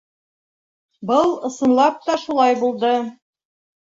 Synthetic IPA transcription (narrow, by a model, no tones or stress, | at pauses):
bɤlˠɤ̆sɤ̆nlˠɑp̚t̪ɑʃulˠɑjbulˠd̪ɤ